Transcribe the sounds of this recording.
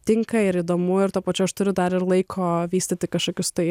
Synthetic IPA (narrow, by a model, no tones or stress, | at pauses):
t̪ʲɪŋkɐɪɾid̪oːmʊɪɾt̪uɔpɐt͡ʃʲʊɐʃt̪ʊɾʲʊd̪ɐɾɪɾlˠɐɪkʰoːʋʲiːsʲt̪ʲɪt̪ʲɪkɐʃkoːkʲʊst̪ɐɪ